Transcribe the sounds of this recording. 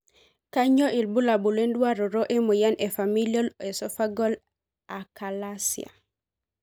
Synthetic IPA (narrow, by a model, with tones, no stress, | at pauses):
ka˦ɲɔ˦ʔi˨lbu˦la˨bu˨le˦ndwa˦ɾɔ˨ɾo˦ʔe˦mu˨ja˦nɛ˨fa˨mi˦liɔ˦lɛ˨sɔfa˦ɡɔ˦l | a˨ka˨la˦sḭa̰˨